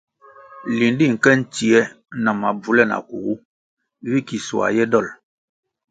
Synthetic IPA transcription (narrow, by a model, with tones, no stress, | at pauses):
li˨ndi˦˨ŋ̩˨kɛ˦n̩˦ti˨ɛ˦ | na˨ma˨b͡vu˨lɛ˦˨na̰˨ku˨ɡu˦ | vi˦ki˨su˨a̰˨jɛ˦dɔ˦˨l